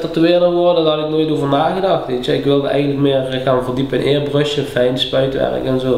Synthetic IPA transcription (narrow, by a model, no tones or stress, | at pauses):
tərtəʋɪːrdəʋɔrdədɑlɪknoːjtoːvərnaːɣədɑxtʋeːtjəɪkʋɪlˠdəɛ̰jɣəntləkmɪːrɣaːnvərdipənʔɪːrbrøʃəfɛjnspœɥtʋɛ̰rkɛnzoː